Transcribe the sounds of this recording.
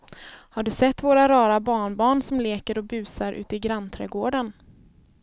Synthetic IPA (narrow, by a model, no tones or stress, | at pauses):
haɖɵsɛt̪ːvoːɾaɾɑːɾabɑːɳbɑːɳsɔmleːkəɾɔbʉ̟ːsaɾʔʉ̟ːt̪ɪɡɾant̪ʰɾɛːɡoːɖən